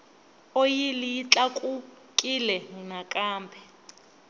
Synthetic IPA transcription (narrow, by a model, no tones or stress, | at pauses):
ojilijit͡ɬʼakʼu | kʼilɛŋunakʼaːmbʰʱɛ